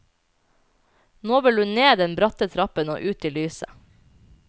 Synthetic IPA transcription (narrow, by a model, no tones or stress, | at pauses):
noːʋɪlʉnneːd̪ɛnbɾɑt̪ət̪ʰɾɑpəno̰ːʔʉːt̪ɪːlyːsə̰